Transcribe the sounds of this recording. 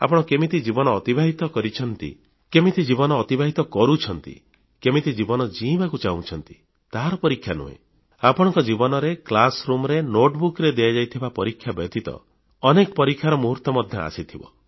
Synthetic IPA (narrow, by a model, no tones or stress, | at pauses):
a̰pɔɽ̃ɔkemit̪id͡ʒibɔnɔːt̪ibaɦit̪ɔkɔɾit͡ʃʰɔnt̪ḭ | kemit̪id͡ʒibɔnɔːt̪ibaɦit̪ɔkɔɾut͡ʃʰɔnt̪ḭ | kemit̪id͡ʒibɔnɔd͡ʒibakut͡ʃaw̃t͡ʃʰɔnt̪i̥ | t̪aɦaɾɔpɔɾikʰːjanṵɦḛ̃ | apɔɽ̃ɔ̃ŋkɔd͡ʒibɔnɔɾeklasɾumɾenoʈbukɾed̪ijad͡ʒajt̪ʰibapɔɾikʰːjabɔt̪it̪ɔ̰ | ɔnekɔpɔɾikʰːjaɾɔmuɦuɾt̪ɔmɔd̪ʱjɔa̰sit̪ʰibɔ̰